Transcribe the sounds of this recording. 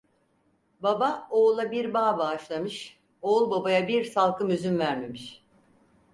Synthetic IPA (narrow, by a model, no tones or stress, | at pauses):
babaoːlˠabiɾbaːbaːʃlˠamɯʃ | olˠbabajabiɾsalˠkʰɯmyzynvæɾme̞miʃ